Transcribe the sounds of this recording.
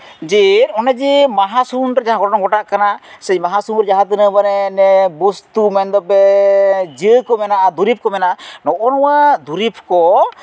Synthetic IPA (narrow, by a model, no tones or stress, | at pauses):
d͡ʒiɾɔnɛd͡ʒimaɦasunɾɛd͡ʒaɦãɡɔɔŋɡɔʈaʔkanasɛjmaɦasunɾɛd͡ʒaɦãt̪ɯnəbaɾɛnɛbust̪umɛnd̪ɔpɛ | d͡ʒəkɔmɛnaʔad̪uɾip̚kɔmɛnaʔanɔʔɔnɔwad̪uɾipʰkɔ